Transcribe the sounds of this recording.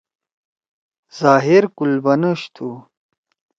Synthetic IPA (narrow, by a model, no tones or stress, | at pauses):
z̥aːɦiɾkulbɐnəɕt̪ʰu